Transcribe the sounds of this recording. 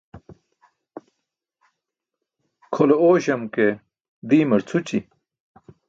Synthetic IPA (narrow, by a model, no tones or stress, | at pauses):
kʰolooːɕɐmke | d̪iːmɐɾt͡sʰut͡ɕi